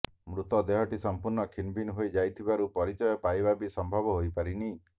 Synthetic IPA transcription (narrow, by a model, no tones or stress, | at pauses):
mɾut̪ɔd̪eɦɔʈisɔmpuɾɳɔkʰinbʱinɦojd͡ʒajt̪ʰibaɾupɔɾit͡ʃɔjɔpajbabisɔmbʱɔbɔɦojpaɾini